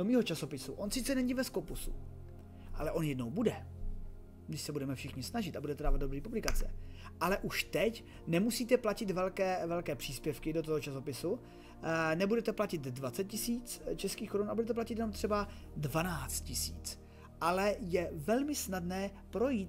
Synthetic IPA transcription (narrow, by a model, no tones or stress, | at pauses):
domiːɦo̞t͡ʃaso̞pɪsuʔo̞nsɪt̪t͡sɛnɛɲiːvɛskopusṵ | ʔa̰lɛʔo̞njɛdno̞wbudɛ | ɡdɪʃsɛbudɛmɛfʃɪxɲɪsnaʒɪt̪abudɛt̪ɛdaːvad̪̚dobɾiːpublɪkat͡sɛ̰ʔalɛʔuʃt̪ɛc | nɛmusiːt̪ɛplacɪt̪vɛlkɛːvɛlkɛːpr̝̥iːspjɛfkɪdot̪oɦot͡ʃaso̞pɪsu | nɛbudɛt̪ɛplacɪt̪dvat͡sɛt̪̚cɪsiːt͡st͡ʃɛskiːxkoɾunabudɛt̪̬ɛplacɪt̪jɛno̞mt̪r̥ɛba | dvanaːt͡st̪̚cɪsḭːt͡s | ʔalɛjɛvɛlmɪsnadnɛːpɾo̞jiːt̪